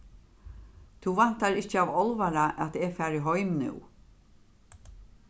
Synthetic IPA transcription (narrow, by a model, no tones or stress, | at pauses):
θuvan̥t̪aɾɪht͡ʃəavɔlvaɾaʔɛt̪ɛfæɾiɦɔɥmnʏ̰w